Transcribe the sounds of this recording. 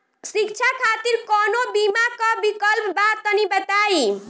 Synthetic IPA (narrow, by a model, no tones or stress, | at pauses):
sik̚t͡ʃʰakʰat̪iɾkɔnobimakɔbikəlpbat̪t̪ːənibət̪ai